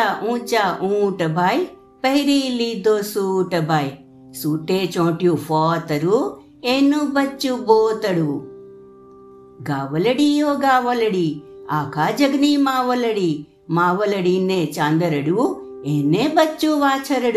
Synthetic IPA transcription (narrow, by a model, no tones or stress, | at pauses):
aʔũːt͡ʃaʔuːʈɐbaːj | pɐɦiɾilːid̪oːsuʈɐbaːj | suːʈeːt͡ʃoːʈjupʰɔːt̪ɐɾu | eːnːubɐt͡ʃːuboːt̪ɐɽu | ɡaːʋɐlɐɽijoːɡaːʋɐlɐɽiaːkʰaːd͡ʒɐɡnimaːʋɐlɐɽi | maːʋɐlɐɽinːeːt͡ʃaːnd̪ɐɾɐɽu | eːnːeːbɐt͡ʃːuʋaːt͡ʃɐɾɐɽ